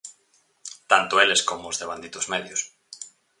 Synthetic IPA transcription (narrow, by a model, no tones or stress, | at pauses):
t̪ant̪ʊeleskomʊːzðeβ̞and̪it̪ʊzmeðjʊs